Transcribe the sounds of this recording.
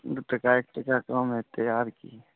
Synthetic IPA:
d̪ut̪əkaek̚ʈəkakamɦet̪əjaːɾki

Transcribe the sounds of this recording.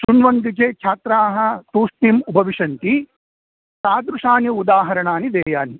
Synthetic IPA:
sunʋɐnd̪it͡ʃeːt͡ʃʰaːt̪ɾaːɦɐ̆t̪uːʂʈ̪iːmubʱɐʋiʂɐnt̪i | saːd̪ɾuʂaːnjɐud̪aːɦɐɾɐɳaːnid̪eːjaːni

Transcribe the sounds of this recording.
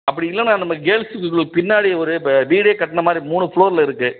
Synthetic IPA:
ɐpːɐɽɪɪlːɐnãːnɐmːɐɡeːlsɯkːɯkːɯɭpɪnːaːɽiɔɾɯʋiːɽeːkɐʈːɐɳɐmaːd̪ɾimuːɳɯfɭoːɾɪlɐɪɾɯkːɯ

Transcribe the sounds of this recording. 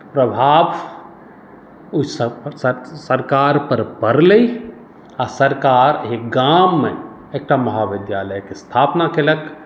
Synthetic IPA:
pɾəbʱaːb | ʊs | səɾkaːɾpəɾpəɾlei | asəɾkaːɾɦeɡamːẽ | eːk̚ʈamɐɦaʋɪd̪jaːləjkest̪ʰaːpnakelək

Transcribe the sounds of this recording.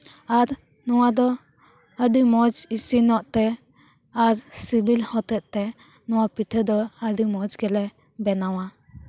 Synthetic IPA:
aɾ | nɔwad̪ɔ | əɖimɔd͡ʒisinɔʔt̪ɛ | aɾsibilhɔt̪ɛʔ̚t̪ɛ | nɔwapit̪ʰəd̪ɔəɖimɔd͡ʒɡɛlɛ | bɛnawa

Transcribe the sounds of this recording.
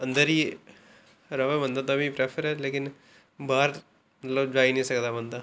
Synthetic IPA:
ə̃nd̪əɾɦiː | ɾəʋeːbənd̪aːt̪abĩːpɾɛːpʰəɾɛːleːkɪn | baːɾ | mət̪ləbd͡ʒaːinəĩːsəkd̪aːbənd̪aː

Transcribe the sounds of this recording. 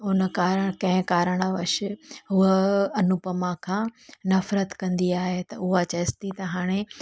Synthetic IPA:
ʊnəkaːɾəɽ̃kɐ̃ɦɪ̃kaːɾəɽ̃əʋɐʃɪ̆ɦʊɦəɐnʊpəmãkʰãːnɐfɾət̪kɐ̃nd̪iaːɦet̪ɐʊɦat͡ɕɐst̪it̪ɐɦaːɽ̃e

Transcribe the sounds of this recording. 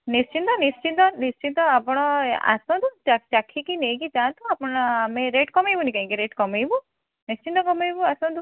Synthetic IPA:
nist͡ʃint̪ɔnist͡ʃind̪ɔnist͡ʃint̪ɔapɔɽ̃ɔa̰sɔ̃d̪ut͡ʃat͡ʃakʰːikineːɡid͡ʒaːnt̪uapɔɽɔameɾeʈkɔmejbunikaĩŋkiɾeʈkɔmejbu | nist͡ʃind̪ɔkɔmejbuasɔ̃nd̪u

